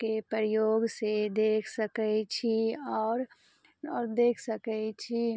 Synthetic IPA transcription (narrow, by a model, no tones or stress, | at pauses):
kepəɾjoːɡsed̪eːkʰsəkɛt͡ʃʰiɔːɾ | ɔːɾd̪eːkʰsəkɛt͡ʃʰi